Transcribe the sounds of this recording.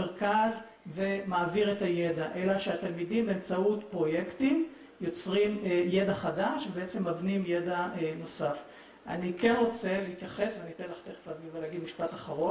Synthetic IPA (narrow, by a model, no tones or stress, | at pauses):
eʁkaz | ve̞maːviʁetajedaʔe̞laʃeat̪almidimbeemt͡sautpʁo̞je̞ktim | jo̞t͡sʁimje̞daχadaʃvebeet͡se̞mavnimje̞daeno̞saf | ʔa̰nike̞nʁo̞t͡se̞liit̪jaχe̞sveanit̪enlaχt̪eχfadiveleaɡidmiʃpataχaʁo̞n